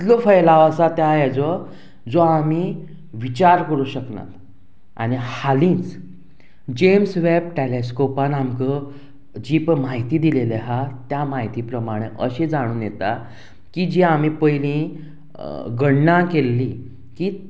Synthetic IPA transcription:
t̪lɔfəjlaʋəsat̪jajɛd͡zɔ | d͡zɔami | ʋit͡ɕaɾkəɾuɕəkna̰t̪ | a̰ɽ̃ihalĩt͡s | d͡ʑemsʋeb̚ʈeleskɔpãnamkə | d͡ʑiːpmaɦit̪iːd̪ileleɦat̪jamaɦit̪iːpɾəmaɽ̃eʔəɕed͡zaɽ̃ũːnjet̪a | kid͡ʑiːam̤ipəjlĩ | ɡəɽnãkelːi | ki

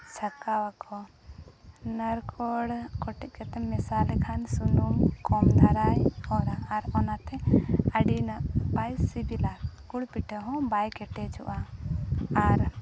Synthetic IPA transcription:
t͡ʃʰakawakʰɔ | nəɾkʰɔɽkɔʈɛc̚kat̪ɛmɛsalɛkʰansunumkɔmd̪ʱaɾajɔɾaɾɔnat̪ɛəɽinaʔbajsibilakuɽpiʈʰəɦɔ̃bajkɛʈɛt͡ʃʰṵʔaː | ɾ

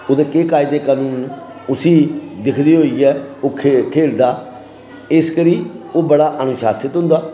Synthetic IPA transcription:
oːd̪eːkeːkaːid̪eːkaːnũːn | ʊsiːd̪ɪkʰd̪iːɦoːiːɛːoːkʰkʰeːld̪aː | ɪskəɾiːoːbəɽaːʔənʊʃaːsɪt̪ɦʊ̃nd̪aː

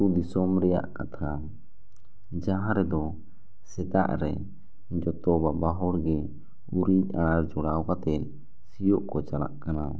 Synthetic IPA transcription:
ud̪isɔmɾɛja̰ʔkat̪ʰa | d͡ʒaɦãɾɛd̪ɔ | sɛt̪a̰ʔɾɛ | d͡ʒɔt̪ɔbabaɦɔɽɡɛ | uɾiɲaɾd͡ʒɔɽawkat̪ɛt̪̚ | sijɔʔkɔt͡ʃala̰ʔkana

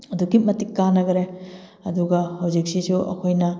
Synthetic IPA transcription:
ɐdukimɐtikːanɐɡɐɾe | ɐduɡɐhɐwd͡ʒik̚sisuʔɐ̰kʰojnɐ

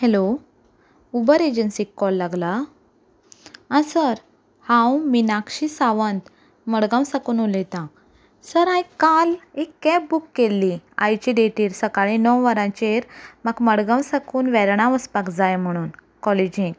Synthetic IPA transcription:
hɛlo | ubəɾed͡ʑənsikːɔlːaɡla | ãsəɾ | hãwminakɕisaʋənt̪ | məɽɡãwsakuːnolet̪ã | səɾajkalekːɛ̃bukːelːia̰jt͡ɕiɖeʈiːɾsəkaɭinəwʋəɾãt͡ɕeɾmaɡməɽɡawsakuːnʋɛɾɳ̃ãʋəspakd͡zajm̤əɽ̃uːn | kɔled͡ʑĩŋɡ

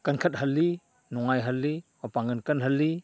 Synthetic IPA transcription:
kɐnkʰɐt̪̚hɐlːi | nɔŋajɦɐlːimɐpaŋkɐnkɐnɦɐlːi

